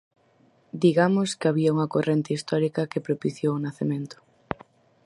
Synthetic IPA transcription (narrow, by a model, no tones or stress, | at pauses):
d̪iɣamʊskeaβiɐuŋɐkorent̪eist̪ɔɾikɐkepɾopiθjoʊnaθemẽnt̪ʊ̥